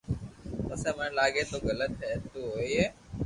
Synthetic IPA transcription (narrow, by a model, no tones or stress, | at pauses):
əsẽːmənlaːɡeːt̪oːɡələt̪ɦɛːt̪uɦoːieː